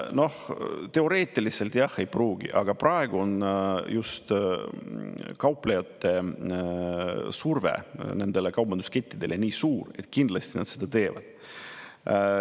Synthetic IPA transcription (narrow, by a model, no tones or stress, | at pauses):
no̞ht̪e̞o̞ɾe̞ːt̪ʲːˑiliselt̪jɑhejpruːɡ̥ḭʔɑɡ̥ɑprɑeɡ̥uo̞njust̪ | kɑwplejɑt̪ːe̞ | survḛne̞nd̪e̞lekɑwbɑnd̪uske̞t̪ʲːid̪e̞lʔe̞nʲiːsuːre̞̰t̪ːkind̪lɑst̪inɑt̪sed̪̥ɑt̪e̞ːvɑ̰d̪̥